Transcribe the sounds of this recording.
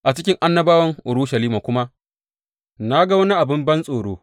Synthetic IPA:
ʔa˨t͡ʃɪ˦kʲɪ˦ŋʔa˦nːɐ˦baː˦wɐ˦ŋʔʊ˨ɽʊ˦ʃɐ˨liː˦maː˨kʷʊ˦ma˦ | na˦ɡa˦wɐ˦ni˦ʔa˨bɪ˦mbɐ˦nsʼoː˨ɽoː˦

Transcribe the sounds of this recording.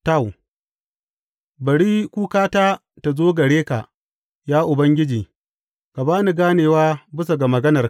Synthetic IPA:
ta˦˨w | bɐ˨ɽiː˦kʷuː˦kaː˦taː˦ | ta˨zoː˦ɡɐ˨ɽeː˦ka̰˨ʔ | jaː˦ʔʊ˨bɐ˦ŋɡʲɪ˦d͡ʒiː˨ | ka˨baː˦ni˨ɡaː˦neː˨waː˦bɪ˦s̬a˨ɡa˨mɐ˨ɡɐ˦nɐ˨

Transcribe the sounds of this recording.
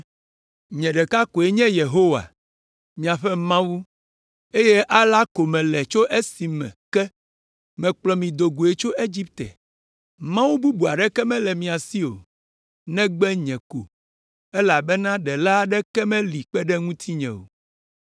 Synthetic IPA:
ɲɛ̃˨ɖɛ˨ka˦ko˨e˦ɲɛ̃˦je˨ɦo˦wa̰˨ | mĩ˨a˨ɸɛ˦mã˦wu˦ | e˦je˦ʔa˦la˦ko˨mɛ̃˨lɛ˨t͡ʃo˦ʔe˦si˨mɛ̰̃˨kɛ˦ | mɛ̃˨k͡plɔ˨mĩ˨d̪o˨ɡu˨e˨t͡ʃo˦e˦d͡ʑi˦p̚t̪ɛ̰˨ | mã˦wu˦bu˦bu˨a˨ɖɛ˦kɛ˦mɛ̃˦lɛ˨mĩ˨a˨si˦o̰˨ | nɛ̃˦ɡ͡bɛ˦ɲɛ̃˨ko̰˨ | ɛ˦la˨bɛ˦nã˦ɖɛ˨la˦ɖɛ˦kɛ˦mɛ̃˦li˨k͡pɛ˦ɖɛ˦ŋũ˦t̪ʰi˦ɲɛ̰̃˨wo̰˨

